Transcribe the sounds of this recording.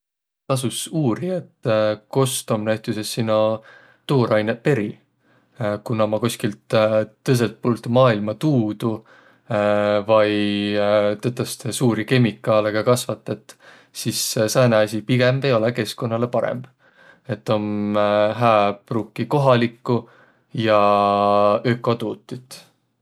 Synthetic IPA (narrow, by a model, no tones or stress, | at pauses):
t̪ɑs̬usuːɾie̞t̪ːko̞st̪o̞mnæɥt̪ˑusesːinːo | t̪oːɾɑjnet̚pe̞ɾi | kunːɑmɑkosʲkilt̪t̪ːɤs̬elt̪̚puːlt̪umɑːilmɑt̪uːd̪̥u | vɑj | t̪et̪ːˑɑst̪esuːɾike̞mikːˑɑleɡɑkɑsvɑt̪ːˑɑt̪ːˑ | sissæːneɑsʲipiɡ̥e̞mb̥e̞jo̞leke̞sko̞nːɑle̞pɑɾḛmb̥ | e̞t̪ːˑo̞nɦæːb̥rukːˑiko̞ɦɑlikːˑu | jɑ | økːˑot̪uːt̪ːˑit̪ːˑ